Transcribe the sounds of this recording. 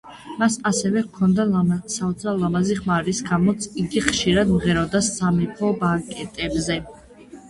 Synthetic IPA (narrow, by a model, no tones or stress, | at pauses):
masasɛvɛkʰɔnd̪asaɔt̪sʰalamaziχmaɾisɡamɔt̪sʰiɡiχʃiɾad̪mʁɛɾɔd̪asːamipʰɔbakʼɛt̪ʼɛbzɛ